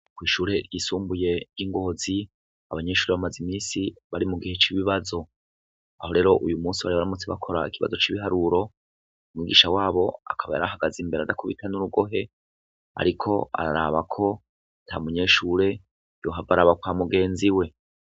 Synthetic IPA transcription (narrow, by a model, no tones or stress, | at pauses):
kwiːʃuːɾe̞ɾjisuːmbuje̞jiŋɡo̞ːzi | aβaɲe̞ʃuːɾe̞βamazimiːsiβaɾimuɡihe̞t͡ʃiβiβazo̞ | aho̞ɾe̞ːɾo̞ʔujumuːnsiβaɾiβaɾamut͡siβa̰kʰo̞ɾa̰ikʰiβa̰zo̞t͡ʃiβiɦaɾuɾo̞ | umŋiɡiːʃawaːβo̞a̰kʰaβa̰ja̰ɾahaɡaziːmbe̞ɾadakʰuβitʰanuɾuɡo̞ɦe̞ | a̰ɾikʰo̞a̰ɾaɾaβakʰo̞ | ntʰamuɲe̞ːʃuːɾe̞ | jo̞ɦavaɾaːβakwaːmuɡe̞ːnziwe̞